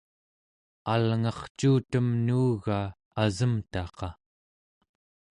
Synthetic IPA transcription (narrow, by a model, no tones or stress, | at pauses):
alŋɑχt͡ʃuːt̪əmnuːɣaː | zəmt̪ɑqɑ